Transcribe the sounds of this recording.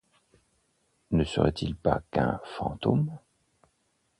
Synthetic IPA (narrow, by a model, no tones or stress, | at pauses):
nəsəʁɛt̪ʰilpakɛ̃fɑ̃t̪om